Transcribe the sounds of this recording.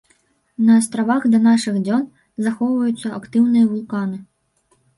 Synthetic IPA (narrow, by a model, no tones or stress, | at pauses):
nɐːst̪ɾavaɣd̪ɐnaʂɨɣd͡zʲɔn | zaxɔwvɐjut̪sːɐɐkt̪ɨwnɨjɐvulˠkanɨ